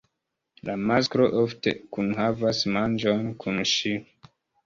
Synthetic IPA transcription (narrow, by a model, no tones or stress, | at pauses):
lamaskɾo̞ʔofte̞̰kunɦavasmand͡ʒonkʰunʃi